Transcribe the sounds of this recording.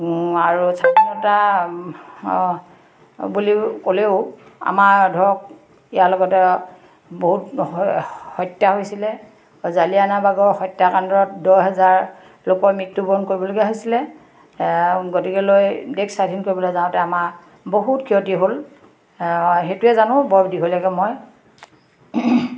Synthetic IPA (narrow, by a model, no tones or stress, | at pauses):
aɹusadinɔta | bulikoleʊ | a̰maɹdʱɔɹɔk̚ | ijalɔɡɔtɛ | boɦut | hɔjtjaɦojsilɛ | zalianabaɡɔɹxɔjtːakandɹɔt̚dɔjɦɛzaɹ | lokɔɹmik̚tubɔnkoɹibɔloɡiaɦojsilɛ | ɡotikɛlojdeksadʱinkoɹibɔlojzaʊ̃tɛamaɹ | boɦutkʰiɦɔtiɦol | ɦetuɛzanʊ̃bɔɹbdiɦolɔɡɛmɔj